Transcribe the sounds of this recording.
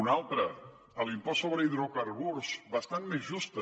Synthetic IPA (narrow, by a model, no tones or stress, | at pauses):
unalˠt̪ɾə | əlˠimpɔsoβɾəiðɾokaɾβuɾsβəst̪anmezʒust̪ə